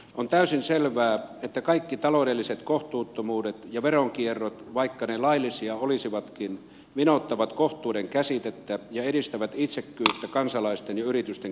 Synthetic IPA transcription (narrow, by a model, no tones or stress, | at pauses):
ont̪æysinselʋæːet̪ːækɑikːit̪ɑloːdelːiset̪koht̪uːt̪ːomuːdet̪jɑʋeroŋkierːot̪ʋɑikːɑnelɑilːˑisiɑolisiʋɑt̪kin | ʋinot̪ːɑʋɑt̪koht̪ˑuːdeŋkæsit̪et̪ːæjɑeɾist̪æʋæt̪it̪sekːyːt̪ːækɑnsɑlɑist̪enjɑyrit̪yst̪eŋ